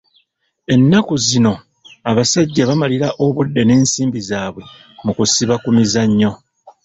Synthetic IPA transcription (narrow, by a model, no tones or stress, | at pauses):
e̞nːakuzino̞ | aβasaɟːaβamaliɾaʔo̞βudːe̞ne̞ːnsiːmbizaːβwe̞ | mukusiβakumizaɲːo̞